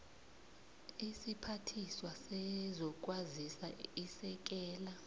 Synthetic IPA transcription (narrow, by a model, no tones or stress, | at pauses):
isipʰatʰiswasɛzɔk̬ʼwazisaisɛk̬ɛːla